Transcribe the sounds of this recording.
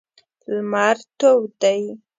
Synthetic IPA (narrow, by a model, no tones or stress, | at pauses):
lmaɾt̪owd̪aj